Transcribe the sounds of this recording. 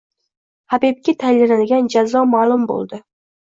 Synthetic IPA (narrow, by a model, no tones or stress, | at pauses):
habib̚kʲɪt̪ʰajlɪlanɪɡʲand͡ʒazɒmaːlˠʊmbo̰lˠd̪ɪ